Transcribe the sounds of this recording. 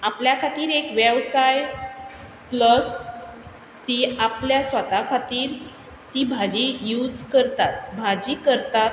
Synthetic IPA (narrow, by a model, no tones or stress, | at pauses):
apljakʰat̪iːɾekʋebsaj | pləs | t̪iːapljasʋət̪akʰat̪iːɾ | t̪iːbʱad͡ʑijud͡zkəɾt̪at̪̚bʱad͡ʑiːkəɾt̪at̪